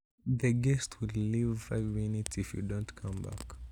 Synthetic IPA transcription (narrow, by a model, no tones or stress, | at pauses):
ðɨɡɛstʰwɪlivavinitifjṵdõntkʰʌ̃mba̰k